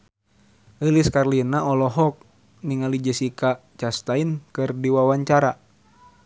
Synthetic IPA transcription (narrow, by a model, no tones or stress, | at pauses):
iliskarlinaɔlɔɦɔk̚ | niŋalid͡ʒəsikat͡ʃast̪ainkɨrdiwawaɲt͡ʃaɾa